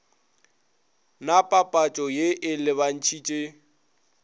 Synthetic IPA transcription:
napʼapʼat͡ʃʼɔjeʔɪlɪβan̩t͡ʃʰit͡ʃʼe

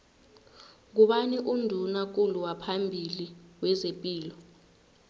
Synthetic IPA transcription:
k̬uɓaniʔundʱunak̬uluwapʰambʱiliwɛzepʼiːlɔ

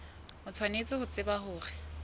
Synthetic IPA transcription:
mʊt͡sʰwanet͡sʼɪhʊt͡sɪbahʊːrɪ

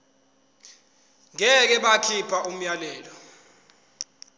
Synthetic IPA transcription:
ŋɛk̬ɛɓakʰipʰaʔum̩jalɛːlɔ

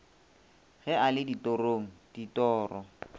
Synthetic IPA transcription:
ɣɛalɪditoroːŋ̩d̥itɔːrɔ

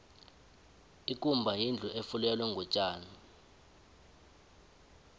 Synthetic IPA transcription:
ik̬ʼumbʱajind͡ɮʱuʔefulɛlwɛŋɡɔt͡ʃʼaːna

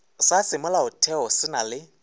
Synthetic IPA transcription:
sasɪmʊlaʊtʰɛɔsɪnalɪ

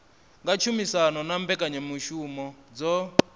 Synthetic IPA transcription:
ŋɡat͡ʃʰumisanɔnambɛkʼaɲɛmuʃumɔd͡zɔ

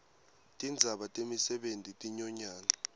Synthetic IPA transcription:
tʼind͡zʱaɓatʼemisɛɓentʼitʼiɲɔɲaːŋa

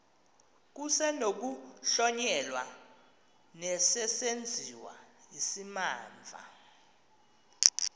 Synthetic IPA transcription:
k̬usɛnok̬uɬɔɲɛlwa | nɛsɛsend͡zʱiwa̰isimaːɱvʱa̰

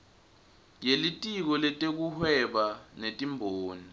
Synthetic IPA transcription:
jelitʼik̬ɔlɛtʼek̬uhwɛɓanetʼimbʱoːni

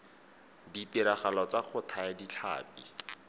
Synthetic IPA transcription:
dipiɾaχalɔt͡saχʰʊtʰaadit͡ɬʰa̰ːpi

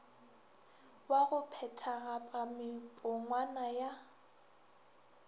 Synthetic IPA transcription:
waɣʊpʰɛtʰaɣapʼamɪpʼʊŋwanaja

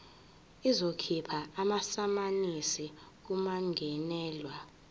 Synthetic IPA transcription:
izokʰipʰaːmasamanisik̬umaŋɡʱɛnɛːlwa

